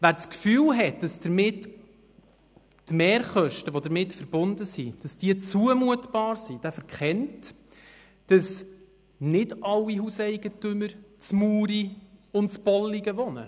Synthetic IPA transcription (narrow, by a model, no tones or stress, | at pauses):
ʋæːɾskfyːlɦɛt̚d̥ɑsd̥əɾmɪt | mɛːɾχœʃtəʋodəɾmɪtfəɾb̥ʊndəsid̥ɑsd̥iət͡suəmuətb̥ɑːɾsid̥æːfəɾkχɛnt | d̥ɑs | nɪdɑlːiɦusɛɪɡətʏməɾt͡smuːɾiʊntt͡sb̥ɔlːiɡəʋɔnə̰